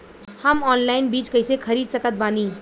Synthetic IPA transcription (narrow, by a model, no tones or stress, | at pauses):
həmɔnlaɪnbiːt͡ʃkəjsekʰəɾid̪səkət̪̚bani